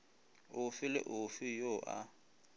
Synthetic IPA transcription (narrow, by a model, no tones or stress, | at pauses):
ʊfɪlɪ̰ʔʊfɪjoʔa̰